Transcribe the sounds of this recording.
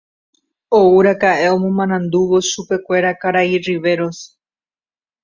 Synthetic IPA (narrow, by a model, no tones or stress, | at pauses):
ouɾakaʔeomõmãnãnd̪uʋo̞ʃupe̞kʷe̞ɾakaɾairiʋe̞ɾo̞s